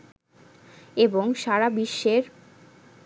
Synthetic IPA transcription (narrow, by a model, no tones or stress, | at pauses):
eboŋʃaɾabiʃːeɾ